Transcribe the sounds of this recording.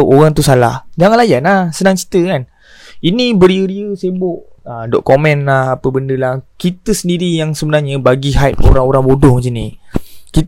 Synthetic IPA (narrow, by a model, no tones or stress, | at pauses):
ʔoɣaŋt̪usala̰hd͡ʒaŋanlajanahsənaŋt͡ʃi̥t̪əkan | inibəɾiəɾiəsebʊʔəmdɔʔkomɛ̃nlahapəbəndəlahkit̪əsəndiɾijaŋsəbənarɲəbaɡiɦajp̚o̰ɾaŋoɾaŋbodɔhmas̬iniki